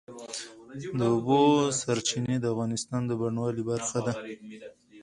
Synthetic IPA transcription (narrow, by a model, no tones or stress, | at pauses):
d̪əʊbosaɾt͡ʃined̪əafɣɑnɪst̪ɑnd̪əbaɳwɑlibaɾxad̪a